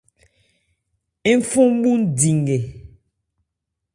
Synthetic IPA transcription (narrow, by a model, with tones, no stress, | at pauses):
i˦m˦fu˦m˦ɓu˦n̩˦˨di˨ŋɡe˨